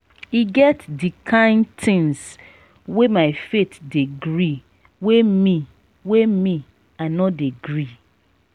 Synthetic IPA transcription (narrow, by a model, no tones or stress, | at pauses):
iɡɛtdikʰãɪ̃ntʰɪ̃ŋs | wemaɪfetdeɡɹi | wemi | wemi | anɔdeɡɹi